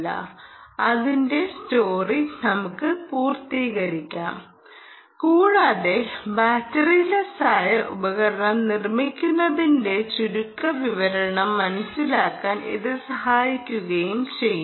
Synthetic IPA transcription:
ɐ̰ɐðinde̞sto̞ːrinɐmukːɨpuːrt̪iːɣɐɾikʲːaːm | kuːɻaːðe̞baːtːɐrijlɐsaːjɐrṵbɐɣɐɾɐɳɐmnirmikʲːunːɐðinde̞t͡ɕuɾukːɐʋiʋɐɾɐɳɐmːɐnɐsːilaːkːaːnḭðɨsɐhaːjikʲːuɣɐjumt͡ɕe̞jː

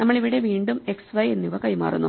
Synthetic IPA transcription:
nɐmːɐɭiʋiɽe̞ʋiːɳɖume̞ksʋɐjenːiʋɐkɐjma̰ːrṵnːṵ

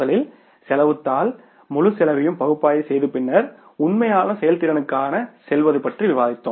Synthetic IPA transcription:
ɐɭɪl | sɛlɐʋɯt̪ːaːl | mʊlɯsɛlɐʋɪjɯmpɐɣɯpːaːjɐsɛjðɯpɪnːɐɾ | ʊɳmɐjaːlɐsɛjɐlt̪ɪɾɐnɯkːaːnɐsɛlʋɐðɯpɐʈriʋɪʋaːðɪt̪ːɯ

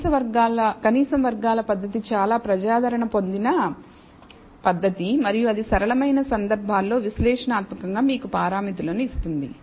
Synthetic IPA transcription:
ɐʋɐɾɡaːlɐkɐniːsɐmʋɐɾɡaːlɐpɐd̪ːɐt̪it͡ʃaːlaːpɾɐd͡ʒaːd̪ʱɐɾɐɳɐpo̞nd̪inɐ | pɐd̪ʱːɐt̪imɐɾijuɐd̪isɐɾɐlɐmɐjnɐsɐnd̪ɐɾbʱaːlːo̞ːʋislɛːʂɐnaːt̪mɐkɐŋɡaːmiːkupaːɾaːmit̪ulo̞ːneist̪und̪ḭ

